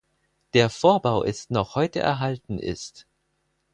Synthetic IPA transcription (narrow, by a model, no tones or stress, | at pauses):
d̥eːɐfoːɐbaʊʔɪstnɔχhɔʏtə̰ʔɛ̰ɐɦaltn̩ʔɪ̰st